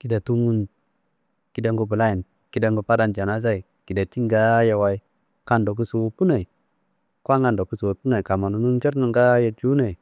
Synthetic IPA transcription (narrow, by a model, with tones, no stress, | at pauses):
ki˦da˨tu˦mu˦n | ki˦da˨˦ŋɡo˨bu˨la˦ji˨n | ki˦da˨˦ŋɡo˨pa˦da˦nd͡ʒa˨na˦z̬a˦i˨ | ki˨da˨t͡ʃi˦ŋɡa˦ja˨wa˦i˦ | ka˦ndo˨k̬u˦su˨pu˦na˨i˨ | kwa˦ŋa˨ndo˨ku˦swpu˦na˨i˨ka˨ma˨nu˨nu˦nt͡ʃe˦ɾnu˨ŋɡa˦ja˨d͡ʒu˦na˨i˨